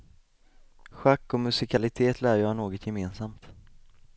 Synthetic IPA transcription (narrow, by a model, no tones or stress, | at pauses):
ɧakːɔmɵsɪkʰalɪt̪ʰeːt̪ʰlæːɾjɑːnoːɡɔt̪ʰjɛmeːnsamt̪